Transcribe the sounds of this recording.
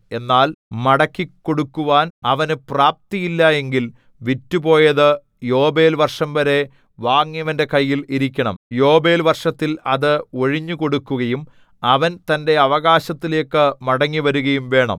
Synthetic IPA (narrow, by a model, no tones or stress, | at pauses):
e̞nːaːlmɐɽɐkːikːo̞ɽukːuʋaːnɐʋɐnɨpraːp̚t̪ijilːɐe̞ŋɡil | ʋitːupo̞ːjɐðɨ | jo̞ːbe̞ːlʋɐrʂɐmʋɐɾe̞ | ʋaːŋːijɐʋɐnde̞kɐjːiliɾikʲːɐɳɐ̰mjo̞ːbe̞ːlʋɐrʂɐt̪ːilɐðɨoɻiɲːuko̞ɽukːuɣɐjum | ɐʋɐnt̪ɐnde̞ɐʋɐɣaːɕɐt̪ːile̞ːkːɨmɐɽɐŋːiʋɐɾuɣɐjumʋe̞ːɳɐ̰m